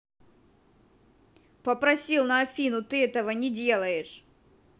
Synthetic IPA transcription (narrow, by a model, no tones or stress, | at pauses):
pəpɾɐsʲilˠnɐɐfʲinʊt̪ɨɛt̪əvənʲɪdʲe̞lˠəjɪʂ